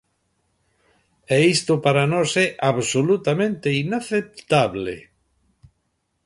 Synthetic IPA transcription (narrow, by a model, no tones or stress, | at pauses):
ɛist̪ʊpaɾanosɛʔaβsolut̪amẽnt̪einaθep̚t̪aβlḛ